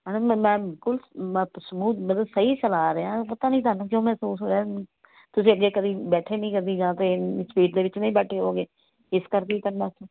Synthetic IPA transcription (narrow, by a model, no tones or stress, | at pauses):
ɦɛːnamɛ̃ːbɪlkʊlsəmuːd̪məd̪ləsəiːsəlaːɾeãːpət̪ãːnĩːt̪ʰaːnũːk̬jõːmɛːsuːsɦoːɾɛː | t̪ʊsĩːəɡːeːkəd̪ĩːbɛːʈʰeːnĩːkəɾd̪iːd͡ʒãːt̪espiːʈ̚d̪eːʋɪt͡ʃnĩːbɛːʈʰeːɦoːɡeː | ɪskəɾkeːik̪ənmãːst̪õː